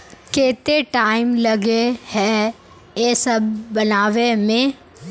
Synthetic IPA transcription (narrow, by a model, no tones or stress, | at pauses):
keːt̪eʈaːɪmlɐɡehɛ | jeːsɐb̚ʱːɐnaːʋemẽ